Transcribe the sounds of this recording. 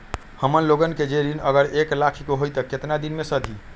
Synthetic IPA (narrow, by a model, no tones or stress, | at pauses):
həmənloɡənked͡ʒeɾinəɡəɾeklakʰikoɦojt̪əket̪nad̪inmesəd̪ʱi